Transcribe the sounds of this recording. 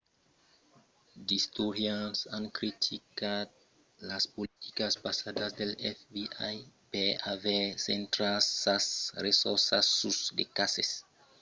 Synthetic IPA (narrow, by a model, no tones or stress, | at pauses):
distuɾjansankɾitʰikat̚ | laspoliti̥kaspasadasdelɛfbiʔajbeavesentɾasasɾesosasusdekases